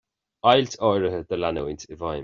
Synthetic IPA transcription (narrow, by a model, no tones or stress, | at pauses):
ajltʰɔjɹəɦəd̪əlanəwɪntʰɪvaj